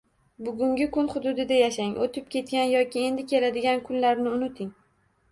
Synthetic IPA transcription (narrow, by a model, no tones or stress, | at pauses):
bʊɡʲʊŋɡʲɪkʰʊnχʊd̪ʊd̪ɪd̪ajaʃaŋʔot̪ʰɪp̚kʲe̞t̪̚kʲanjɒkʲɪe̞nd̪ɪkʲʰe̞lad̪ɪɡʲankʰʊnlaɾnɪʊnɪt̪ʰɪŋ